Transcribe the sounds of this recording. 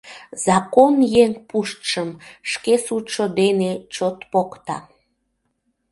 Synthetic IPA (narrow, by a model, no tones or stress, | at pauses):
zɑkonjeŋpuʃt̪ʃəmʃkesut̪ʃod̪enet͡ɕot̪pokt̪ɑ̰